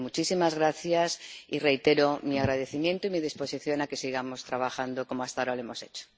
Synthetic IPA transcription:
mut͡ʃisimazɣ̞ɾaθjasire̞jt̪e̞ɾomiaɣ̞ɾað̞e̞θimjẽ̞nt̪oimiðispo̞siθjo̞nake̞siɣamo̞st̪ɾaβaxand̪oko̞moast̪aoɾaloe̞mo̞se̞̰t͡ʃo̥

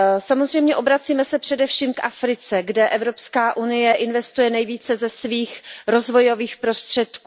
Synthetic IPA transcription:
samozr̝ɛjmɲɛʔo̞bɾat͡siːmɛsɛpr̥ɛdɛfʃiːmkʔafɾɪt͡sɛɡdɛʔɛvɾo̞pskaːʔunɪjɛʔɪnvɛst̪ujɛnɛjviːt͡sɛzɛsviːxɾo̞zvo̞jo̞viːxpɾo̞st̪r̝̥ɛt̪kuː

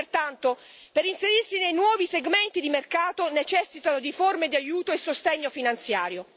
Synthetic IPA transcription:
rt̪ant̪o | peɾinseɾirsinejnwɔːviseɡment̪id̪imerkaːt̪onet͡ʃɛsːit̪anod̪iformed̪iajuːt̪oesːost̪eɲːofinant̪sjaːɾjo

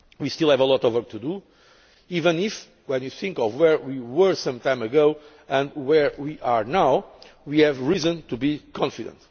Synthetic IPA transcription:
wist̪ilˠhɛvəlˠɔt̪ɔvwɔɹk̚t̪ʰud̪u | ivə̃nif | wɛ̃njuθĩŋkɔvwɛɹwiwə˞sʌ̃mtãɪ̃mɨɡoʊ | ɨ̃ndwɛɹwiʔaɹnawwiɛvɹizɨ̃nt̪ubikʰɔ̃nfidə̰̃nt

